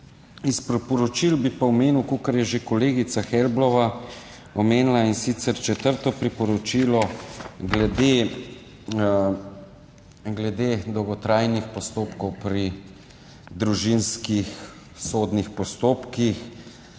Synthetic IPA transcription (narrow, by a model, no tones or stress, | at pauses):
ispɾipɔɾɔt͡ʃilbipaɔmeːniwkokaɾjɛʒekɔleːɡit̪saxɛlblɔʋa | ɔmeːnlainsit̪sɛɾt͡ʃɛt̪əɾt̪ɔpɾipɔɾɔt͡ʃiːlɔɡlɛd̪e | ɡlɛd̪ed̪ɔwɡɔt̪ɾaːjnixpɔst̪oːpkɔwpɾi | d̪ɾuʒinskix | soːd̪nixpɔst̪oːpkix